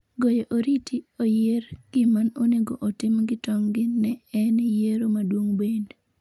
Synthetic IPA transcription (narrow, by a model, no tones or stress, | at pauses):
ɡɔjɔʔoɾitʰiojeɾɡ̥ɪmanoneɡoʔotɪmɡɪtɔŋɡɪnɛɛnjeɾomadwoŋbend